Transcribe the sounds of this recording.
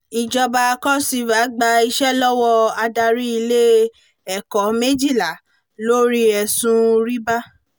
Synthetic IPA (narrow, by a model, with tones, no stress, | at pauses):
i˨d͡ʒɔ˧ba˧kɔ˦si˧va˨˦ɡ͡ba˧i˧ʃɛ˦lɔ˦wɔ˦a˧da˧ɾi˦i˧le˦ | ɛ˨kɔ˨˦me˦d͡ʒi˦˨la˨ | lo˦ɾi˦ɛ˧˨sũ˦ɾi˦ba˦